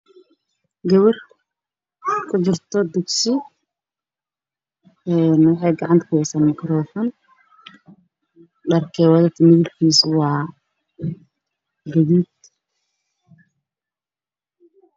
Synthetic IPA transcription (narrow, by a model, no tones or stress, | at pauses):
ɡɐβɐr | kʰʊd͡ʒɪrt̪ʰɔd̪ʊksɪ | ɛːnwɑħɑjɡɑʕɑnt̪kʰʊhɛjsaːnmɪkɾɔːfɔn | dɐrkʰɛːwɐðɐt̪ʰɐmɪðɪlkʰiːswɑː | ɡɐðiːd̪